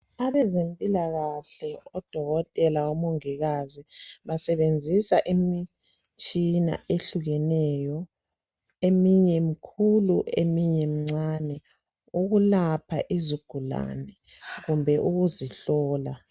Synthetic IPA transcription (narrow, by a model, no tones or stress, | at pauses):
aβɛzempʼilaɣaɬɛɔd̥ʱɔɣɔtʼɛlaumoŋiɣaziβasɛβend͡zʱisaʔimi | t͡ʃʼina̰ʔeɬuɣɛnɛjɔ | emiɲɛmikʰuluemiɲɛmiŋ͡ǀanɛ | uɣulapʰaʔiziɡ̥ʱula̰nɛ | ɣumbʱɛʔuɣuziɬɔːla